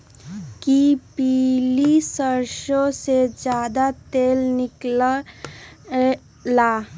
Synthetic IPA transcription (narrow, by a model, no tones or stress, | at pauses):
kipilisəɾʃosed͡ʒjad̪at̪elniklə | la